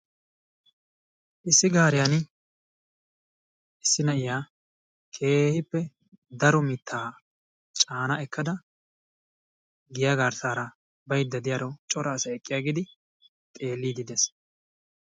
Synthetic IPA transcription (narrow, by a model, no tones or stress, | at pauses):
ʔɪsːɪɡaːɾɪjan | ʔɪsːɪnɐɪjaː | kʰe̞ːhɪpːɛ | d̪ɐɾɔmɪt̪ʰːaː | t͡ʃʼaːnɐɛkʰːɐd̪ɐ | ɡɪjaɡaːɾsaːɾɐ | bɐjd̪ːɐd̪ɪjaɾɔt͡ʃʼɔɾaːsɐɛkʼːɪjaːɡɪd̪ɪ | t̪ʼe̞ːlːiːd̪ɪd̪ɛs